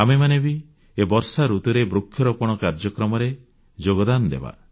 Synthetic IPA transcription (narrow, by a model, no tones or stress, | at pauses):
amemanebi | ebɔɾsaɾut̪uɾebɾukʰːjɔɾɔpɔɽ̃ɔkaɾd͡ʒɔkɾɔmɔɾe | d͡ʒoɡɔd̪anɔd̪ḛba̰